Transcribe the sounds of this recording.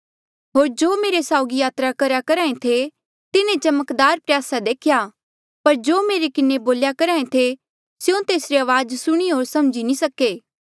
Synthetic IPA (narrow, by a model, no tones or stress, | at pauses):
ɦoːɾd͡ʒoːmeːɾesaːʊɡijaːt̪ɾakɐɾakɐɾaːẽt̪ʰe | t̪ɪnẽd͡ʒɐməkd̪aːɾpɾjaːsad̪eːkʰɪja | pɐɾd͡ʒoːmeːɾekɪneboːljakɐɾaːẽt̪ʰe | sjõt̪eːsɾeaːʋaːd͡ʒsʊɽ̃iɦoːɾsɐmd͡ʒinisɐkːeː